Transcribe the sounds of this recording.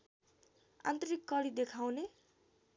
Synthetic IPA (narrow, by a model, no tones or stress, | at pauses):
a̰nt̪ʌɾikːʌɽid̪ekʰawne